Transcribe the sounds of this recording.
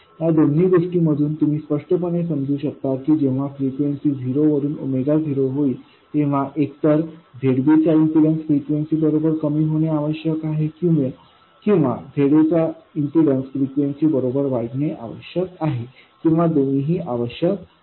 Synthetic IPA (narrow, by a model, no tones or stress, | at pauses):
ɦjad̪onːiːɡoʂʈiːməd̪ʱuːnt̪um̤iːspəʂʈəp̬əɽ̃esəmd͡zʱuːɕək̚t̪akiːd͡ʑeʋ̤afɾikʋensiːd͡zʱiɾoʋəɾuːnumed̪ad͡zʱiɾoɦoiː | t̪ẽʋ̤aʔek̚t̪əɾb̪ʱeɽbit͡ɕainsiɽənsfɾikʋensiːbəɾobəɾkəmiːɦoɽ̃jeaʋəɕjəkaɦekĩw̃ʋe | kĩw̃ʋa̰b̪ʱeɽet͡sainsiɽənsfɾikʋensiːbəɾobəɾʋaɡneʔa̰ʋə̰ɕjəkaɦe | kĩw̃ʋad̪oniɦiːʔaʋəɕjək̚